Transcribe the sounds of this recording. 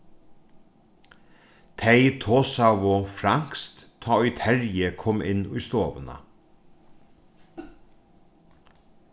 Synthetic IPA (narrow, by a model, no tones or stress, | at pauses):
t̪ʰeɪt̪ʰoːsaʋofɾaŋ̥kst̪ʰːɑːɔjt̪ʰɛɹjəkʰɔmɪnʊjst̪oːʋəna̰